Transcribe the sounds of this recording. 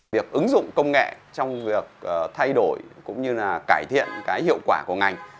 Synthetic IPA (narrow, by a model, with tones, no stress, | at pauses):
i˨˩ək̚ʔɨ˨˦ŋzʊ̰˧˨ŋ͡mkə˧wŋ͡mŋɛ̰˧˨t͡ɕɔ˧wŋ͡mvi˨˩ək̚əː˨˩t̪ʰa˧jɗo˧˩jkʊ̰˧˥ŋ͡mɲɨ˧laː˨˩kaː˧˩jt̪ʰḭ˧˨ənkaː˨˦jhḭ˧˨əwkwaː˧˩ku˧˩əŋa˨˩jŋ̟